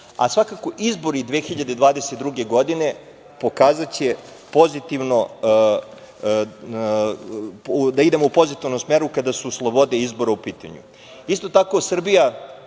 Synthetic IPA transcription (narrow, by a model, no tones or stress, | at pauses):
a̰sʋakako̞ʔizbo̞ɾid̪ʋexiʎad̪ed̪ʋaːd̪e̞set̪d̪ɾuɡe̞ɡo̞d̪ine̞ | po̞kaːzat͡ɕe | po̞zit̪iʋno̞ | ud̪aid̪e̞moupo̞zit̪iʋnomsmeɾukad̪asuslˠo̞bo̞d̪e̞izbo̞ɾaupiːt̪a̰ɲṵ | ist̪o̞t̪ako̞sr̩bija